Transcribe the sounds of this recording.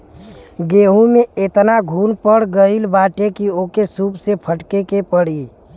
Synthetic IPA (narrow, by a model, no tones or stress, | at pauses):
ɡeɦũmeet̪naɡʱuːnpəɽɡəɪlbaːʈekioːkesuːpsepʰəʈkekepəɽi